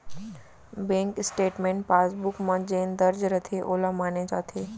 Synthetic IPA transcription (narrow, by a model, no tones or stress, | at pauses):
bẽːŋkɪsʈeːʈmẽːɳʈ̚paːsbʊkmãd͡ʒeːnd̪ɐɾd͡ʒɾɐt̪ʰeʔoːlamaːnet͡ʃaːt̪ʰeː